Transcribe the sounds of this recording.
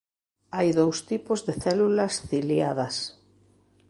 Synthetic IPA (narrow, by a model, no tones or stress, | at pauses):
ajðowst̪ipʊzðeθɛlulɐsθiljaðɐs